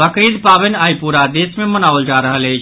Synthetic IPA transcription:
əkɾid̪pabənajpuɾad̪esmemənaʋəld͡ʒaɾəɦələjt͡ʃʰ

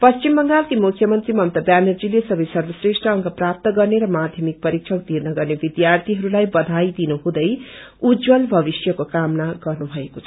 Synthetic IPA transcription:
pʌst͡ʃimːʌŋɡalkimukʰːjʌmʌnt̪rimʌmt̪ʌbanʌrd͡zilesʌbʌjsʌrbʌsresʈrʌːŋkʰʌprap̚t̪ʌɡʌrneɾʌmad̪ʱjʌmik̚pʌɾik̚t͡ʃʰʌk̚t̪irnʌɡʌrnebid̪jart̪ʰiɦʌɾulajbʌd̪ʱajd̪inuɦũd̪ʌj | ud͡zwʌlbʱʌbisjʌkokamnaɡʌrnubʱʌekot͡sʰʌ

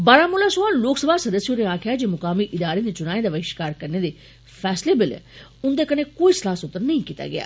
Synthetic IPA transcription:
baːɾaːmʊːlãːsʊãːloːksəbaːsəd̪əsjoːnẽːaːkʰɪjaːd͡ʒeːmʊkaːmiːʔɪd̪aːɾeːd̪eːt͡ʃʊnãːẽːd̪aːʋəɪʃkaːɾkəɾneːd̪eː | pʰɛːsleːbɪlʊnd̪eːkənẽːkoːiːsəlaːsʊt̪ːəɾnəĩːkiːt̪a̰ːɡɪ̰a̰ː

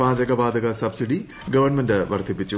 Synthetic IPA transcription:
aːd͡ʑɐɡɐbaːd̪ɐɣɐsɐbsiɽi | ɡɐʋɐrɳmendɨʋɐrt̪ʰipːit͡ɕːu

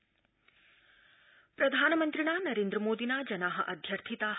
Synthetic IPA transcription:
pɾɐd̪ʱaːnɐmɐnt̪ɾiɳaːnɐɾeːnd̪ɾɐmoːd̪inad͡ʒɐnaːɦɐʔɐd̪ʱjɐɾt̪ʰit̪a

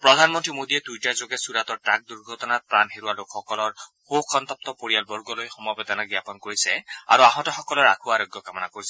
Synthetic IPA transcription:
pɹɔd̪ʱanmɔntɹimodiɛtujtazoɡɛsuɹatɔɹtak̚duɹɡʱɔtɔnat̚pɹanɦeɹuwalokxɔkɔlɔɹxokʰɔnt̪ɔp̚t̪ɔpoɹijalbɔɹɡɔlojxɔmɔjbɛd̪ɔnɔɡjapɔnkoɹisɛa̰ɹuaɦɔ̃tɔxɔkɔlɔɹa̰kʰuaɹoɡjɔkamɔnakoɹisɛ

